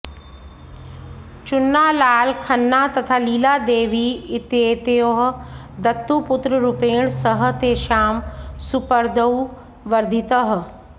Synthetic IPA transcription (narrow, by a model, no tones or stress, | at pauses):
t͡ʃʊnːaːlaːlkʰɐnːaːt̪ɐt̪ʰaːliːlaːd̪eːʋiɪt̪eːt̪eoɦ | d̪ɐt̪ːupʊt̪ɾəɾupeːɽ̃səɦə̆t̪eːʃaːmsʊpəɾd̪əu | ʋɐɾd̪ʱit̪əɦ̆